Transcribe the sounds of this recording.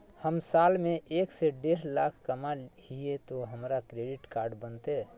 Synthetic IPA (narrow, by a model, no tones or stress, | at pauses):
həmsaːlmẽʔeːkseɖeːɾlaːkʰkəmahiet̪oɦəmɾakɾeɖɪʈkaːɾɖbənt̪e